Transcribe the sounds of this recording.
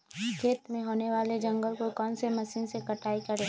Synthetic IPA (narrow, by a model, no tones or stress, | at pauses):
kʰeːt̪mẽɦoːneʋaːled͡ʒɐ̃ŋɡəlkokɔːnsemɐʃiːnsekɐʈaːikɐɽeː